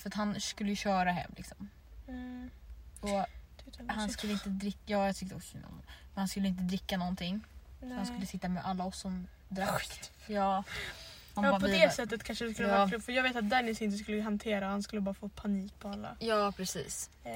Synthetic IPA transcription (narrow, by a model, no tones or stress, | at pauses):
fœɾat̪hanskɵlːəjʉɕœːɾaɦɛ̰mːlɪ̰ksɔm | ɔ | hansk̪ɵlːəɪnt̪əd̪ɾɪkːjɑːjat̪ʰʏk̚t̪əɔksnɔ̰nmɛnhanskɵlːɪnt̪̬əd̪ɾɪkːanɔnt̪ʰɪŋːhanskɵlːəsɪt̪ːamɛʔalːaɔsːɔm | d̪ɾa | jɑː | hanɾpʰɔd̪ɛsɛt̪ːət̪kʰanʂədɛskɵləɑɾlɵfœɾjɑːɡveːt̪at̪̚d̪ɛnːɪsɪnt̪̬əs̬kɵlːəɦant̪ʰeːɾahanskɵlːəbɑːɾafoːpʰaniːk̚pʰɔalːa̰jɑːpʰɾɛsḭːs